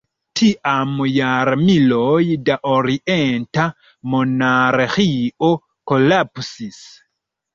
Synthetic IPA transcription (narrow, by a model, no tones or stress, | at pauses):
tʰiʔamujaɾmilɔjdaʔɔɾiʔɛnta | mɔnaɾexiɔ | kɔlapsis